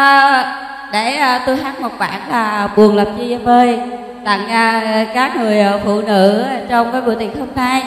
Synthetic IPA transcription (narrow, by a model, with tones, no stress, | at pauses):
ʔəː˨˩ | ɗeː˧˩˨t̪u˧jɦaː˦˥t̚mo˨˩t̚ɓa̰ː˧˩˨nlaː˨˩˨ɓu˨˩ənlə˨˩p̚zi˧ʔə˧məː˧j | ɗ̪a̰˧˨ŋəː˨˩kaː˦˥k̚ŋɨ˨˩əjʔəː˨˩fṵ˧˨nɨ̰˧˥˧t͡ɕɔ˧wŋ͡mkaː˨˦ɓṵ˧˨t̪i˨˩ənho˧mna˧j